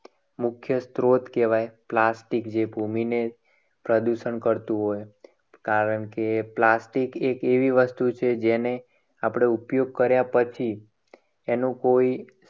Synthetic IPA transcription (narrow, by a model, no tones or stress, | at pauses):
mʊkʰjəst̪ɾot̪keʋajplasʈikd͡ʒebʱumine | pɾəd̪uʃəɳkəɾt̪ũɦoj | kaɾəɳkeplasʈikekeʋiʋəst̪ut͡ʃʰed͡ʒene | apɽ̃eupjoɡ̚kəɾjapət͡ʃʰi | enũkoi